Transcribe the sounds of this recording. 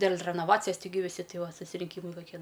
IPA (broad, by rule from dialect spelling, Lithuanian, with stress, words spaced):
dʲeːlʲ rʲɛnoːˈʋɑːt͡sʲɪjɛs tʲɪˈɡʲɪ ʋʲɪˈsʲɪ ˈtʲɪ ˈʋɐ sʊsʲɪrʲɪŋʲˈkʲiːmɐɪ kɐˈkʲiɛ